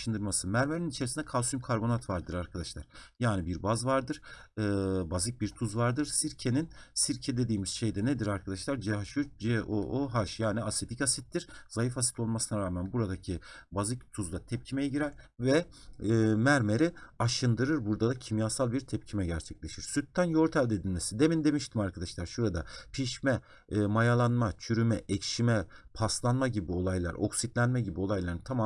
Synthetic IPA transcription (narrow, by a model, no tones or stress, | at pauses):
ʃɯnd̪ɯɾmasɯmæɾmeɾinit͡ʃʰeɾisind̪ɛkʰalˠsymkʰaɾbo̞nat̪vaɾd̪ɯɾaɾkʰad̪aʃlˠaɾ̥jaːnibiɾbazvaɾd̪ɯɾ̥ɯːbazɯc̚biɾt̪ʰuzvaɾd̪ɯɾsiɾcʰeninsiɾcʰed̪e̞d̪iːmiz̥ʃe̞jd̪ɛnɛd̪iɾaɾkʰad̪aʃlˠaɾd͡ʒɛɦaʃyd͡ʒɛoʔoɦaɾʃjaːniaset̪ʰicasit̪ːiɾ̥zajifasi̥t̪ʰo̞lˠmasɯnaɾaːmænbuɾad̪acʰibazɯc̚t̪ʰuzlˠat̪ʰɛp̚cʰimejɛɟiɾæɾvɛː | mæɾme̞ɾiaʃɯnd̪ɯɾɯɾbuɾd̪ad̪acʰimjaːsalˠbiɾt̪ʰɛp̚cʰimɛɟæɾt͡ʃʰɛc̚lʲe̞ʃiɾ̥syt̪ːænjo̞ɾt̪ʰælʲd̪ed̪inʲmesid̪e̞mind̪e̞miʃt̪ʰimaɾkʰad̪aʃlˠaɾʃuɾad̪apʰiʃmɛː | majalˠanmat͡ʃʰyɾymɛʔɛcʃimɛpʰaslˠanmaɟibio̞lˠajlˠa̰ɾʔo̞ksit̪lʲænmɛɟibio̞lˠajlˠaɾɯt̪ʰamam